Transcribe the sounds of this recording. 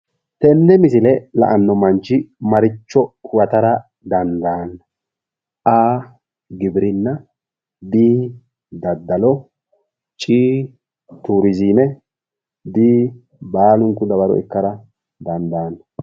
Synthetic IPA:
t̪ɛnːɛmɪsɪlɛlɐ̰ʔɐnːɔmɐnt͡ʃɪmɐɾɪt͡ʃːɔwɐt̪ɐɾɐ | d̪ɐnd̪aːnːɐ | ʔaː | ɡɪbɾɪnːɐ | d̪iː | d̪ɐd̪ːɐlɔ | t͡ʃʼiː | t̪uːɾɪziːnɛ | d̪iː | baːlʊŋkːʊd̪ɐbɐɾɔ̰ɛ̰kːɐɾɐ | d̪ɐnd̪aːnːɐ

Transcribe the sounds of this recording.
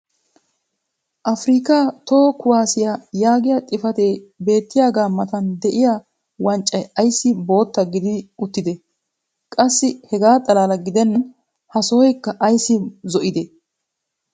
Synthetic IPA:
ʔɐfɾiːkaːt̪oːkʊwaːsɪjajaːɡɪjat̪ʼɪfɐt̪ebe̞ːt̪ːɪjaːɡaːmɐt̪ɐnd̪ɛʔɪja | wɐnt͡ʃʼːɐjɐjsːɪbo̞ːt̪ːɐɡɪd̪ɪʊt̪ːɪd̪ɛ | kʼɐsːɪhɛɡaːt̪ʼɐlaːlɐɡɪd̪ɛnːɐn | hɐsɔːɔjkːɐʔɐjsːɪzɔʔɪd̪ɛ

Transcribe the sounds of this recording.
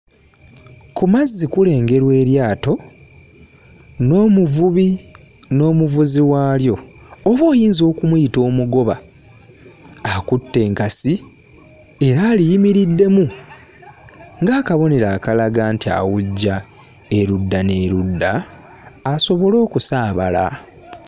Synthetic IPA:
kumazːikule̞ːŋɡe̞ɾwe̞ːɾjaːto̞ | no̞ːmuvuβi | no̞ːmuvuziwaːljo̞ː | βoːjiːnzo̞ːkumujito̞ːmuɡo̞βa | akutːe̞ːŋkasi | e̞ɾaːlijimiɾidːe̞mu | ŋɡaːkaβo̞ne̞ɾaːkalaɡaːntia̰wuɟːa | e̞ɾudːane̞ːɾudːaː | so̞βo̞lo̞ːkusaːβa̰la̰

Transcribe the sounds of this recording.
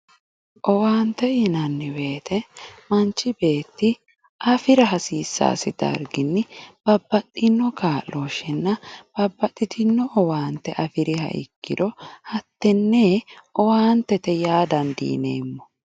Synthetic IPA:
ʔɔwaːnt̪ːɛɪnɐnːɪwe̞ːt̪ʰɛmɐnt͡ʃːɪbe̞ːt̪ːɪ | ʔɐfɪɾɐɦɐsiːsːa̰ːsɪd̪ɐ̰ɾɡɪnːɪb̥ɐbːɐt̪ʼːɪnːɔkaːloːʃɛnːɐb̥ɐbːɐt̪ʼːɪt̪ɪnːɔʔɔwaːnt̪ɛʔɐfɪɾɪhɐ̰ʔɪ̰kːɪd̪ɔhɐt̪ːɛnːeʔɔwaːnt̪ɛt̪ɛjaːd̪ɐnd̪ḭːnḛːmːɔ̥

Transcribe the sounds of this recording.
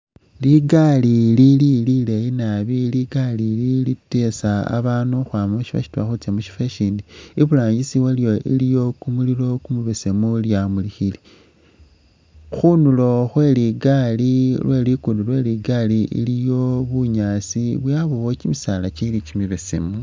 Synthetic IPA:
liɡalilililileinaβiliɡalililite̞saa̰βaːnuxwaːmaʃiβa̰ʃi̥tua̰xut͡semuʃi̥feʃiːndiiβulaːɲɟisiweljo̞ʔḭlijo̞kumulilo̞kumuβesemuljamulixili | xunulo̞xwe̞liɡalilwʔe̞likundulwe̞liɡaliʔḭlijo̞βuɲaːsiβwjaβowot͡ʃimisalat͡ʃidit͡ʃimiβesḛmu

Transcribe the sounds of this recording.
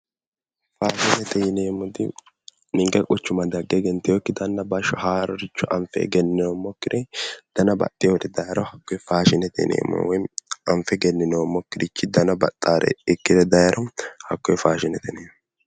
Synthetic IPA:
faːʃɪnɛt̪ɛjɪneːmːɔd̪ɪ | nɪŋɡɛkʼɔt͡ʃːʊmɐd̪ɐɡːɛɡɛnt̪ɪjɔkːɪd̪ɐnːɐbɐʃɔhaːɾɔɾɪt͡ʃːɔʔɐmfɛ̰jɡɛnːɪnoːmːɔkːɪd̪ɛd̪̥ɐnɐbɐ̰t̪ʼːɪjod̪ɛd̪ɐjɐɾɔhɐkːɔjfaːʃɪnɛt̪ɛ̰nḛːmːɔ̰wɔjɐmfɛɡɛnːɪnoːmːɔkːɪd̪ɪt͡ʃːɪd̪ɐnɐbɐt̪ʼːaːɾʔɛ̰ɪkːɪd̪ɛd̪ɐjɐɾʔɔhɐkːɔjfaːʃɪnɛt̪ʰɛneːm

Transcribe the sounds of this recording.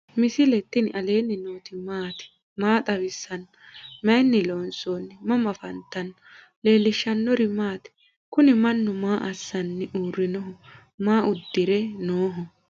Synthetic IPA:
mɪsɪlɛt̪ːɪnɪʔɐle̞ːnːɪnoːt̪ɪmaːt̪ɪ̥ | maːt̪ʼɐwɪsːɐn | mɐjnːɪloːnsoːnːɪmɐmɐfɐnt̪ːɐn | le̞ːlːɪʃːɐnːɔɾɪmaːt̪ɪ̥ | kʊnɪmɐnːʊmaːʔɐsːɐnːɪʔuːrːɪnɔɦɔ | maːʔʊd̪ːɪɾɛnoːɦɔ

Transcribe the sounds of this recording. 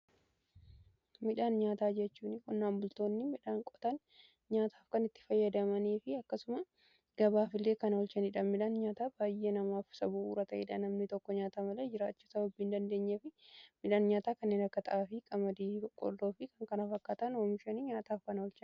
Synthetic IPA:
mɪᶑaːnɲaːt̪aːd͡ʒɛt͡ʃːuːnɪkʊnːaːmbʊlt̪o̞ːnːɪmɪᶑaːŋkʼɔ̥t̪ɐn | ɲaːt̪ʰaːfkɐnɪt̪ːɪ̥fɐjːɐd̪ɐmɐniːfɪɐkːɐsʊmɐ | ɡ̥ɐbaːfɪlːe̞ːkɐnɐwɔlt͡ʃɐniːᶑɐmɪᶑaːnɲaːt̪aːbaːjeːnɐmaːfsɐbuṵːɾɐt̪ɐʔɛ̰ːᶑɐnɐmnɪt̪ɔkːɔɲaːt̪amɐlɛd͡ʒɪɾaːt͡ʃːuːsɐbɐbːiːnd̪ɐnd̪e̞ːɲːɐfɪmɪᶑaːnɲaːt̪aːkɐnːeːnɐkːɐt̪ɐ̰ʔaːfɪkʼɐmɐd̪iːkʼɔ̰ɾd̪o̞ːfɪkɐŋkɐnɐfɐkːaːt̪ɐnoːmɪʃɐniɲaːt̪aːfkɐnɐwɔlt͡ʃɐn

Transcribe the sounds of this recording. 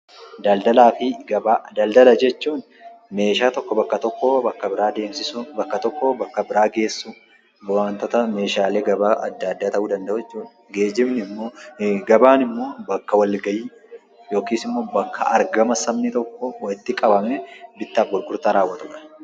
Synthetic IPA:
d̪ɐld̪ɐlaːfɪɡɐbad̪ɐld̪ɐlɐd͡ʒɛt͡ʃːuːn | me̞ːʃaːt̪ɔkːɔbɐkːɐt̪ɔkːɔbɐkːɐbɪɾaːd̪e̞ːmsɪsʊbɐkːɐt̪ɔkːɔbɐkːɐbɪɾaːɡe̞ːsːʊ | waːnt̪ɔt̪ɐme̞ːʃaːleːɡɐbaːʔɐd̪ːɐɐd̪ːaːt̪ɐʔuːd̪ɐnd̪ɐʔuɛt͡ʃːuːn | ɡe̞ːd͡ʒɪmnɪmːo̞ːɡɐbaːnɪmːo̞ːbɐkːɐwɐlɡɐjiː | jo̞ːkiːsɪmːo̞ːbɐkːɐ̰ɐɾɡɐmɐsɐmnɪt̪ɔkːɔwɐɪt̪ːɪkʼɐbɐmnɛbɪt̪ːɐːbːʊlkʊɾt̪aɾaːwːɐt̪ʊᶑɐ̥

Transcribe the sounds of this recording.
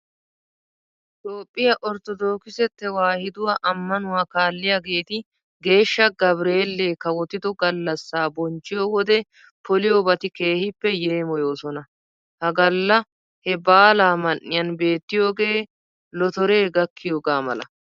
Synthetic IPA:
ɪt̪o̞ːpʼːɪjɐʔɔɾt̪ɔd̪o̞ːkɪsɛt̪ːɛwaːhɪd̪ʊwaʔɐmːɐnʊwaːkaːlːɪjaɡe̞ːt̪ɪ | ɡe̞ːʃːɐɡɐbɾe̞ːlːeːkɐwɔt̪ɪd̪ɔɡɐlːɐsːaːbɔnt͡ʃːɪjowɔd̪ɛ | pʰɔlɪjɔbɐt̪ɪke̞ːhɪpːɛjeːmɔjo̞ːsɔnɐ | hɐɡɐlːɐ | hɛbaːlaːmɐnːɪjɐnbe̞ːt̪ːɪjo̞ːɡe̞ː | lɔt̪ɔɾe̞ːɡɐkːɪjoːɡaːmɐ̰lɐ̰

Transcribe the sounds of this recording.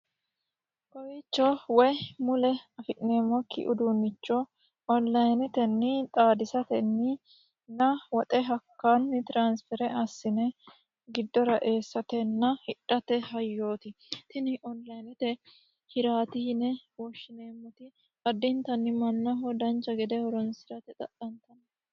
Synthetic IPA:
kɔwit͡ʃːɔwɔjmʊlɛɐfɪʔne̞ːmːɔkːɪ̰ʔʊd̪unːɪt͡ʃːɔ | ɔnlɐjnɪt̪ɛnːɪt̪ʼaːd̪ɪsɐt̪ɛnːɪ | nɐwɔt̪ʼɛɦɐkːɐnːɪt̪ɪɾaːnsfɛɾɛʔɐsːɪnɛ | ɡɪd̪ːɔɾɐʔe̞ːsːɐt̪ɛnːɐhɪᶑːɐt̪ɛɦɐjːo̞ːt̪ɪ | t̪ɪnɪʔɔnlɐjnɪt̪ɛ | hɪɾaːt̪ɪnɛwɔʃːɪneːmːɔt̪ɪ | ɐd̪ːɪnt̪ɐnːɪmɐnːɐɦɔd̪ɐnt͡ʃːɐɡɛd̪ɛhɔɾɔnsɪɾɐt̪ɛt̪ʼɐ̰ʔɐnt̪ɐn

